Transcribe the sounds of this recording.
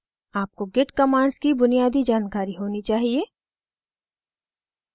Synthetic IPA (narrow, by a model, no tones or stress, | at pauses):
aːp̚koɡeːʈkɐmaːɳɖskibʊnijaːd̪id͡ʒaːnkaːɾiɦoːnit͡ʃaːɦieː